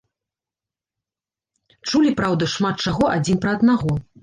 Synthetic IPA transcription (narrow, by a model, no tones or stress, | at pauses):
t͡ʂulʲipɾawd̪ɐʂmat̪̚t͡ʂaɣɔʔad͡zʲinpɾɐɐd̪naɣɔ